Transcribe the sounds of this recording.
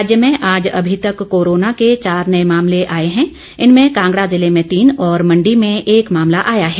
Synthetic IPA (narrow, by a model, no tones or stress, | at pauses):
d͡ʒjəmẽʔaːd͡ʒɐ̰bʱit̪ɐkːoːɾoːnaket͡ʃaːɾnɐemaːmleʔaːeɦɛ̃ | ɪnmẽkãːŋɡɽazɪlemẽt̪iːnɔːɾmɐ̃ɳɖimẽeːkmaːmlaʔaːjaɦɛː